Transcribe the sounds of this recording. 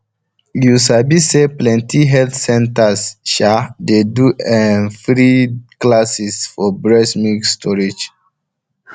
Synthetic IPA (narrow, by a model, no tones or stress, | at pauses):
jusabiseplɛ̃ntʰiɦɛltsɛ̃ntasʃadeduɛnfɹiklasisfɔbɹɛsmikstʰɔɹed͡ʒ